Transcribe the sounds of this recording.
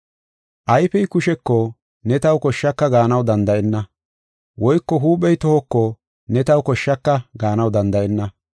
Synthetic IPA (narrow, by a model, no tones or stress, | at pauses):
ʔɐjfɛjkʊʃɛkːo | nɛt̪ɐwkɔʃːɐkːɐɡaːnɐwd̪ɐnd̪ɐʔɛnːɐ | wɔjkːɔɦuːɓɛjt̪ɔhɔkːo | nɛt̪ɐwkɔʃːɐkːɐɡaːnɐwd̪ɐnd̪ɐʔɛnːɐ